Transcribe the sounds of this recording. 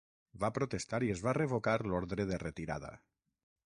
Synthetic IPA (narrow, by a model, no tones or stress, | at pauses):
βapɾot̪est̪aɾiezβareβ̞okaɾloɾðɾeðeret̪iɾa̰ða̰